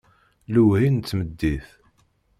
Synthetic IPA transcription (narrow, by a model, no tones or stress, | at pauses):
ləwhint͡s̪ːməd̪ːiθ